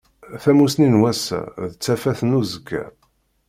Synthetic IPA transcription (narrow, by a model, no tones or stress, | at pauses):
θæmusninwæsæ̰ðət͡sːæfæθənuzəkːæ̰